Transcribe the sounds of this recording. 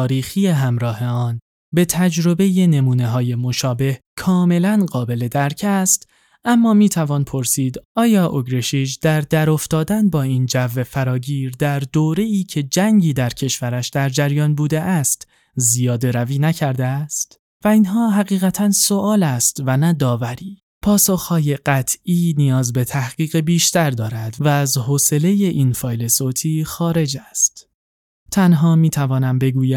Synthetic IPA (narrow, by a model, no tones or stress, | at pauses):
ɒːɾiːxije̞ɦæmɾɒːhe̞ɒːn | be̞t̪ʰæd͡ʒɾo̞be̞je̞ne̞muːne̞ɦɒːje̞mo̞ʃɒːbe̞hkʰɒːme̞lænɢɒːbe̞le̞d̪æɾcʰæst̪ | ʔæmːɒːmiːt̪ʰævɒːnpʰo̞ɾsiːd̪ʔɒːjɒːʔoɡɾeʃid͡ʒd̪̥æɾd̪æɾo̞ft̪ɒːd̪ænbɒːiːnd͡ʒævːe̞fæɾɒːɟiːɾd̪æɾd̪oːɾe̞iːcʰe̞d͡ʒæŋɟiːd̪æɾcʰe̞ʃvæɾæʃd̪̥æɾd͡ʒæɾjɒːnbuːd̪eʔæst̪ | zijɒːd̪eɾæviːnæcʰæɾd̪eæst̪ | væiːnɦɒːɦæɣiːɣæt̪ʰænso̞ʔɒːlæst̪vænæd̪ɒːvæɾiː | pʰɒːsoxhɒːje̞ɢ̥æt̪ʰʔiːnijɒːzbe̞t̪ʰæhɡ̥iːɣebiːʃt̪ʰæɾd̪ɒːɾæd̪væːzɦoːse̞le̞je̞ʔiːnfɒːjle̞soːt̪ʰiːxɒːɾe̞d͡ʒæst̪ | t̪ʰænɦɒːmiːt̪ʰævɒːnæmbe̞ɡuːjæ